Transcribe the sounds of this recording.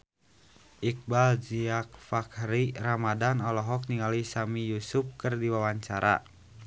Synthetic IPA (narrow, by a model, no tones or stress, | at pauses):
ʔik̚bald͡ʒiak̚fakɾiramadanɔlɔɦɔk̚niŋalisamijusup̚kɨrdiwawaɲt͡ʃaɾʔa̰